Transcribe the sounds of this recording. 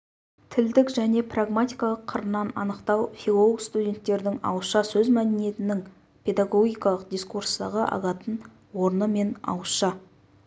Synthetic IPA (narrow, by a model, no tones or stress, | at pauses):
t̪ʰɪld̪ɪkʒæne̞praɡmat̪ʲijkɑlˠəqʰːəɾənːɑnɑnəqt̪ɑwfilˠolˠoɡst̪udʲe̞nt̪ːe̞ɾd̪ɪŋɑ̰wʃɑsɵzmæd̪ɪnije̞t̪ɪnɪŋ | pʰe̞d̪aɡo̞ɡʲijkɑlˠəqd̪iskurst̪ɑʁəʔɑ̰ʁɑt̪ən | wo̞ɾnəme̞nɑ̰wəʃɑ